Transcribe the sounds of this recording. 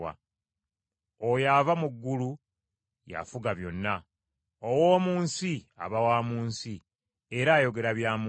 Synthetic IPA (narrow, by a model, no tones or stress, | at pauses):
a̰ | ojavamuɡːulu | ja̰fuɡaβjo̞nːa | owo̞ːmuːnsia̰βawaːmuːnsi | e̞ɾaːjo̞ɡe̞ɾaβjaːm